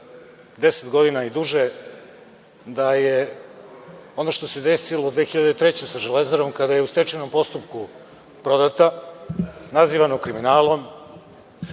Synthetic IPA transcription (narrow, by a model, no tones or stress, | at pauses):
d̪e̞set̪ɡo̞d̪inaid̪uʒe | d̪aje | o̞no̞ʃt̪o̞se̞d̪esilod̪ʋe̞ːxiʎad̪et̪ɾet͡ɕe̞saʒelezaɾo̞mkad̪aje̞ust̪et͡ʃeno̞mpo̞st̪upku | pɾo̞d̪at̪a | naziːʋanokɾiminaːlo̞m